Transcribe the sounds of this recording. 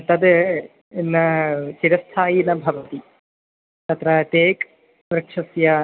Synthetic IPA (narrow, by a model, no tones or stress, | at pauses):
t̪ɐd̪ | enːɐt͡ʃiɾɐst̪ʰaːjinɐbʱɐʋɐt̪i | t̪ɐt̪ɾɐt̪eːk | ɾɐkʂɐsja